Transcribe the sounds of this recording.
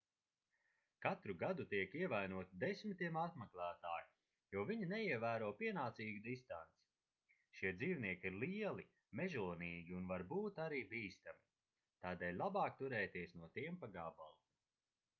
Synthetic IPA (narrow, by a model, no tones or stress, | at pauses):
kat̪ɾuɡad̪ut̪iɛkiɛvajnuɔt̪id̪esʲmit̪iɛmat̪mɛklˠæːt̪aːju | juɔviɲinɛiɛvæːɾuɔːpiɛnaːt̪siːɡid̪ist̪ant̪si̥ | ʃiɛd̪ziːwniɛkiɾliɛlˠi | mɛʒuːniːɡʲiunvaɾbuːt̪aɾiːbiːst̪ami | t̪aːd̪ɛːlʲlˠabaːk̚t̪uɾɛːt̪iɛsnuɔt̪iɛmpaɡaba̰lˠ